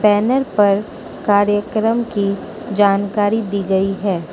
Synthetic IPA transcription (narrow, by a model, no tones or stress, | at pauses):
bɛːnəɾpɐɾ | kaːɾjəkɾəmki | d͡ʒaːnkaːɾid̪iːɡɐiɦɛː